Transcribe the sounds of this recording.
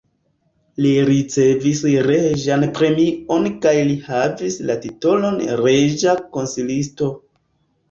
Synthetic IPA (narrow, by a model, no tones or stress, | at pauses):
liɾit͡se̞visɾeʒanpɾe̞mio̞nkajlihavislatito̞lo̞nɾeʒako̞nsilisto̞